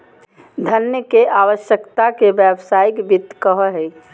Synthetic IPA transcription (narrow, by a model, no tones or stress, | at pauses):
d̪ʱənjəkeʔaːwəʃjəkt̪akebɛbsaːikbit̪ːkəɦəɦɛ